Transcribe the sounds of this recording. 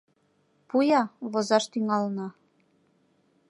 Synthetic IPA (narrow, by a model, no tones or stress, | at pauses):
pujɑβozɑʃt̪yŋɑlnɑ